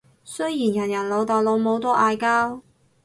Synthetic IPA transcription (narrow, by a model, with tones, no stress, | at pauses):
sɵ˥ɥjiː˨˩njɐ˨˩njɐ˨˩nlo˨˧wt̪ɔː˨jlo˨˧wmo˨˧wt̪ɔː˥ʔaː˧jkaː˥w